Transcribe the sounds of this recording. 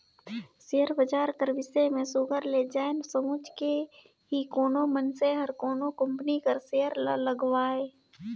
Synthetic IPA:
sejəɾbəd͡ʒaːɾkəɾʋɪsemẽsʊɡəɾleːd͡ʒaːensəmʊd͡ʒke | ɦikoːnomənseɦɐɾkoːnokə̃mpnikəɾsejəɾlləɡwaːeː

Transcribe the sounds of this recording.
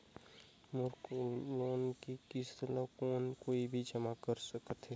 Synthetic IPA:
mʊɾkloːnkikɪst̪ələkoːnkoːibʱid͡ʒəmakəɾsəkət̪ɦɛ

